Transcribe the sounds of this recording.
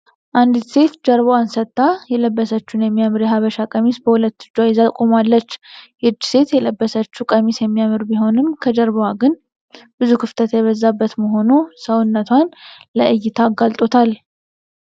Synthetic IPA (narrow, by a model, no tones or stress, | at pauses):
ʔand̪it̪se̞t̪d͡ʒəɾβoansət̪ʼːajɛləbːəsət͡ʃːunjɛmːijamɨɾjɛɦaβəʃakʼəmisbəhulət̪ːɨ̥d͡ʒːajɪzakʼomalːət͡ʃːhɨd͡ʒːse̞t̪jɛləbːəsət͡ʃːukʼəmisjɛmːijamɨɾbiɦo̞nɨmkʰəd͡ʒəɾβowaɡɨn | bɨzukʰɨft̪ʰət̪jɛβəzːabːət̪məɦo̞nusəwɨnːət̪ʰwanləʔɨjːɪt̪ʰaɡalt̪ʼo̞t̪ʰal